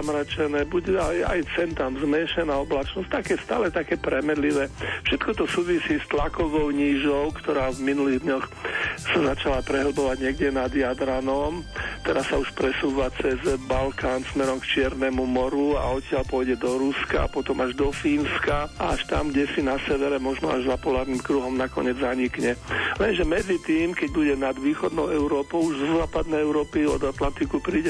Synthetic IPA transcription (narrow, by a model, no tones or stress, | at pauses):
amɾat͡ʃɛnɛːbuɟɛaja̰jt͡sɛnt̪amzmɛʃɛnaːɔblat͡ʃnɔst̪akɛːst̪a̰ːlɛt̪akɛːpɾɛmɛd̪liʋɛːfʃɛt̪kɔt̪ɔsuːʋisiːst̪lakɔʋɔʊɲiːʒɔʊkt̪ɔɾaːvminuliːɣd̪ɲɔxsazat͡ʃalapɾɛɦl̩bɔʋaɟɲɪɛɡɟɛnad̪jad̪ɾanɔmt̪ɛɾasauʃpɾɛsuːʋat͡sɛzbalkaːnsmɛɾɔmkt͡ʃɪɛɾnɛmumɔɾua̰ɔt̪ɪalpɔjɟɛd̪ɔɾuska̰a̰pɔt̪ɔmaʒd̪ɔfiːnskaa̰aʃt̪a̰mɡɟɛsinasɛʋɛɾɛmɔʒnɔaʒzapɔlaːɾnimkɾuɦɔmnakɔ̰ɲɪɛd͡zzaɲikɲɛlɛnʒɛmɛd͡zit̪iːmkɛɟ̚buɟɛnad̪ʋiːxɔd̪nɔʊɛʊɾɔːpɔʊuʒzɔzaːpad̪̚nɛjɛʊɾɔːpiɔ̰d̪at̪lant̪ikupɾiːɟɛ